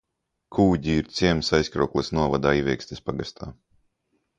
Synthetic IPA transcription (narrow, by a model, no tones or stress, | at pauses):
kʰuːɟʲiːɾt̪sʲiɛmsajskɾṵːklˠɛsnuɔvad̪aːivʲɛɛksʲt̪ʲespaɡast̪ʰaː